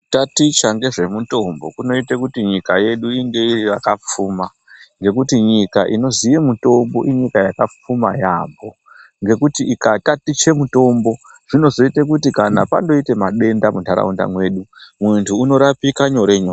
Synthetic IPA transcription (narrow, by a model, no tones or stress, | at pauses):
tatit͡ʃaŋɡe̞ʐe̞muto̞mbo̞̰kuno̞itekutiɲikaje̞ɗuiŋɡe̞iriʋakap͡fuːma | ŋɡe̞kutiɲikaʔino̞zijemuto̞mbo̞ʔiɲikajakap͡fuma̰ja̰ːmbo̞ | ŋɡe̞kutiːkatatit͡ʃe̞muto̞mbo̞ | ʐ̥ino̞zo̞itek̬utikanapa̰ndo̞ite̞maɗe̞ndamuntaɾa̰unda̰mwe̞ɗumuntʰuːno̞ɾapikaɲo̞ɾe̞ɲoːr